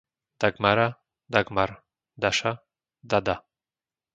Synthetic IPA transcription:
d̪̥aɡmaɾa | d̪aɡmaɾ | d̪aʃa | d̪ad̪a

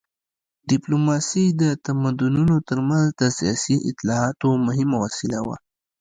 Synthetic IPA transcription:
ɖɪplomɑsid̪ət̪amad̪ʊnunot̪əɾmanzd̪əsijɑsiʔɪ̰t̪lɑɑt̪omʊɦɪmawɑsɪlawa̰

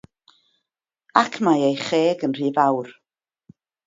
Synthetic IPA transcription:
akʰmajejχeːɡənr̥iːvawr

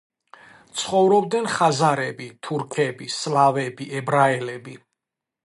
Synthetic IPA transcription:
t̪sʰχɔvɾɔb̚d̪nɛnχazaɾɛbit̪ʰuɾkʰɛbislavɛbiʔɛbɾaɛlɛbi

